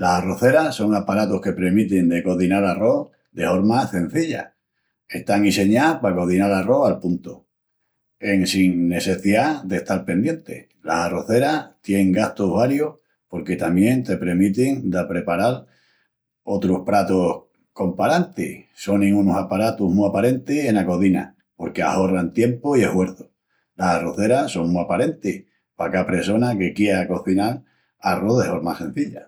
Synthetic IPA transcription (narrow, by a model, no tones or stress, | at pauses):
lasaro̞θe̞ɾaso̞ŋapaɾat̪ohke̞pɾe̞mit̪end̪e̞ko̞ðinaɾaro̞h | d̪e̞fo̞ɾmase̞n̟θiʎa̰ | e̞ht̪aŋise̞ɲapako̞ðinalaro̞halpunt̪o | e̞ŋsiŋne̞se̞θiaðe̞ht̪aɾpe̞nd̪je̞nt̪e̞̰ | lasaro̞θe̞ɾat̪je̞neŋɡaht̪oɦβaɾjoh | po̞ɾke̞t̪amje̞nt̪e̞pɾe̞mit̪iŋd̪apɾe̞paɾaɾ | o̞t̪ɾohpɾat̪oh | ko̞mpaɾant̪iso̞nnĩŋɡunosapaɾat̪uɦmuapaɾe̞nt̪ise̞nako̞ðina̰ | po̞ɾke̞a̰ho̞rant̪je̞mpoie̞hwe̞ɾðo | lasaroθe̞ɾaso̞ŋmuapaɾe̞nt̪ih | pakapɾeso̞nake̞kje̞ako̞θinaɾ | aroðehoɾma̰sẽ̞n̟θiʎa